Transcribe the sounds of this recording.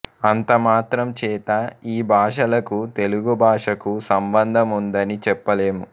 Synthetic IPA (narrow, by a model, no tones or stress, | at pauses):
ɐnt̪ɐmaːt̪ɾɐmt͡ʃɛːt̪ɐiːbʱaːʂɐlɐkut̪e̞luɡubʱaːʂɐkusɐmbɐnd̪ʱɐmund̪ɐnit͡ʃɛpːɐleːmu